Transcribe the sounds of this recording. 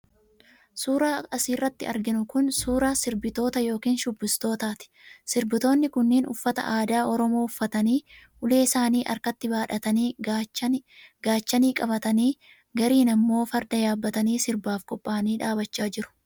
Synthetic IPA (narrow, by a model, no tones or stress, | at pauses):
suːɾaːɐsiːrːɐt̪ːɪɐɾɡɪnʊkʊnsuːɾaːsɪɾbɪt̪o̞ːt̪ɐjo̞ːkiːnʃʊbːɪst̪o̞ːt̪aːt̪ɪ̥sɪɾbɪt̪o̞ːnːɪkʊnːiːnʊ̰fːɐt̪ɐ̰ʔaːd̪aːʔɔɾɔmoːʊfːɐt̪ɐniːʔʊle̞ːsaːniːʔɐ̰ɾkɐt̪ːɪbaːᶑɐt̪ɐniː | ɡ̥aːt͡ʃːɐniːkʼɐbɐt̪ɐniː | ɡɐɾiːnɐmːo̞ːfɐɾd̪ɐjaːbːɐt̪ɐniːsɪɾbaːfkʼɔpʼːaːniːᶑaːbɐt͡ʃːaːd͡ʒɪɾʊ̥